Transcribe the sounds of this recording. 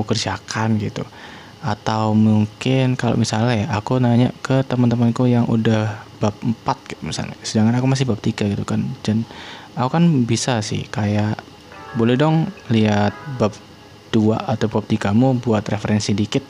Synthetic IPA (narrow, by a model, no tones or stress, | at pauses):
ukərd͡ʒakʰanɡit̪ṵ | at̪awmuŋkɪnkalo̰ʔmisalɲaɦjaʔːkunaɲaʔkət̪əmant̪əmankujaŋʔṵdahb̥ap̚m̩pat̪̚ɡit̪umisa̰lɲa̰sədaŋkanakumas̬ɪhbap̚t̪iɡaɡit̪ukand͡ʒanakukanbisasɪ̰hkajaʔ | bolɛhdɔŋliat̪̚bap̚ | d̥ua̰at̪awbap̚t̪iɡamubuat̪refəɾɛnsidikɪt̪̚